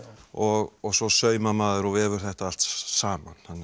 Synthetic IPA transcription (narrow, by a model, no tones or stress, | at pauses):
ɔɣɔɣsɔsœːɥmamaːðʏɾɔɣvɛːvʏɾ̥θɛht̪aal̥t̪saːmanhanː